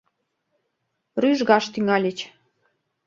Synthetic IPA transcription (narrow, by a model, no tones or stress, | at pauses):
ryʒɣɑʃt̪yŋɑlʲet͡ɕ